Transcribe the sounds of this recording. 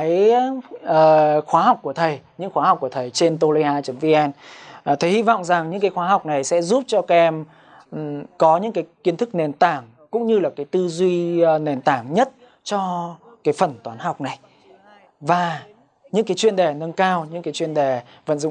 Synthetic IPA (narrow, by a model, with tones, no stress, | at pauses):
a˨˦jʔəː˨˩xwaː˨˦ha˨˩wk͡p̚ku˧˩ət̪ʰə˨˩jɲɨ̰˧˥ŋxwaː˨˦ha˨˩wk͡p̚ku˧˩ə˩t̪ʰə˨˩jt͡ɕe˧nt̪o˧li˧haː˧t͡ɕə˨˦mvi˧ʔɛ˧n˨˩t̪ʰə˨˩hi˧vɔ̰˧˨wŋ͡mza˨˩ŋɲɨ̰˧˥ŋk̬aː˨˦jxwaː˨˦ɦa˨˩wk͡p̚na˨˩jsɛ̰˧˥zu˦˥p̚t͡ɕɔ˧ka˨˧ʔɛ˧m˩ | kɔ˨˦ɲɨ̰˧˥ŋkaː˨˦jki˨˦ənt̪ɨ˦˥k̚ne˨˩nt̪aː˧˩ŋ | kʊ̰˧˥ŋ͡mɲɨ˧laː˨˩kaː˨˦jt̪ɨ˧zwi˧ne˨˩nt̪aː˧˩ŋɲə˦˥t̚ | t͡ɕɔ˧ | kaː˨˦jfə˨˩nt̪waː˨˦nha˨˩wk͡p̚na˨˩j | vaː˨˩ | ɲɨ̰˧˥ŋkaː˨˦jt͡ɕwi˧ənɗe˨˩nə˧nkaː˧wɲɨ̰˧˥ŋkaː˨˦jt͡ɕwi˧ənɗe˨˩ | və̰˧˨nzʊ̰˧˨